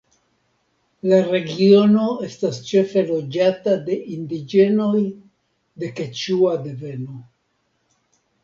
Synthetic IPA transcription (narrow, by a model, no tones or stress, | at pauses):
laɾe̞ɡio̞no̞e̞stast͡ʃe̞fe̞lo̞d͡ʒatade̞ʔindid͡ʒe̞no̞j | de̞ket͡ʃuadeve̞no̞